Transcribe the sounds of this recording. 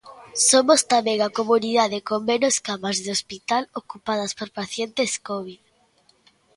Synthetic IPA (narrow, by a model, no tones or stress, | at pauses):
somost̪ameŋakomuniðað̞ekommenoskamazðeospit̪alokupað̞aspoɾpaθjent̪eskoβ̞ið